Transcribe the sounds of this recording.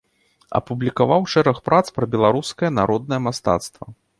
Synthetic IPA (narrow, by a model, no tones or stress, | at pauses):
ɐ̰publʲikavawʂɛɾɐxpɾat̪spɾɐbʲɛlˠaɾuskɐjɐnaɾɔd̪̚nɐjɐmast̪a̰t̪st̪vɐ̰